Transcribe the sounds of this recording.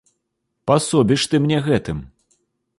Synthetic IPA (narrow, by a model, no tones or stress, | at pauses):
pasɔbʲiʂt̪ɨmnʲɛɣɛt̪ɨm